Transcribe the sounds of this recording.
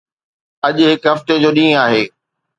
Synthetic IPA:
ɐʄɦɪkɦɐft̪ed͡ʑoːɗĩːaːɦeː

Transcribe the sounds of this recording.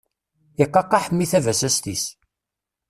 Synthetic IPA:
iqːɑqːɑħəmːiθævæsæst̪is

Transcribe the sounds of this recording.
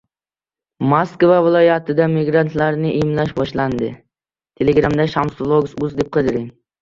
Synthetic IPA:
maskvavɪlˠɒjat̪ʰɪd̪amɪɡɾant̪laɾnɪʔemlaʃbɒʃland̪ɪ | t̪ʰe̞leɡɾamd̪aʃamslˠoɡsʊzd̪e̞p̚qʰɨd̪ɪɾɪŋ

